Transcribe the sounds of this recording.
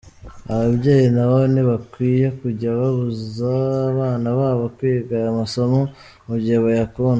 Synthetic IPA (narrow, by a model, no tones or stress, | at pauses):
aβabɟeːjinaβoniβakwiːjekuɟaβaβuzaβaːnaβaːβokwiːɡaɾamaso̞mo | muβɟeβajakon